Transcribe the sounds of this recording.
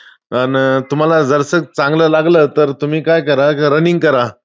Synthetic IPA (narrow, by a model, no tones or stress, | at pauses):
ənt̪um̤alad͡zəɾsək̚t͡sãŋɡləːlaɡləːt̪əɾt̪um̤iːkajkəɾaɾəniŋɡ̚kəɾa